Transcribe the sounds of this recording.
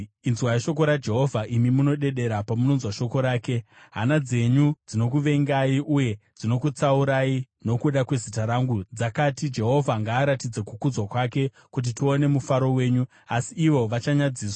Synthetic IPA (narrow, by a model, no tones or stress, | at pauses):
inzwajiʃo̞k̬o̞ɾad͡ʒe̞ɦo̞vʱaʔimimuno̞ɗe̞ɗe̞ɾapamuno̞nzwaʃo̞ko̞ɾaːke̞ | ɦa̰nad͡ze̞ɲud͡zino̞k̬uʋe̞ŋɡaiʔuje̞d͡zino̞kut͡sauɾai | no̞kuɗakwe̞zitaɾaŋɡud͡zakatid͡ʒe̞ɦo̞vʱaŋɡaːɾatid͡zekukud͡zwakwake̞ | kut̬itio̞ne̞mufaɾo̞we̞ːɲu | asiːʋo̞ʋat͡ʃaɲad͡ziːswḁ